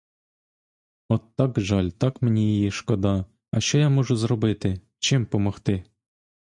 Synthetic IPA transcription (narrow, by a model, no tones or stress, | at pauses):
ot̪ːɑkʐɑlʲt̪ɑkmʲɘ̆nʲeijeʂkod̪ɑ | ɑɕojɑmuʐuzrobɘt̪ʲɪ | t͡ɕempomŏχt̪ɘ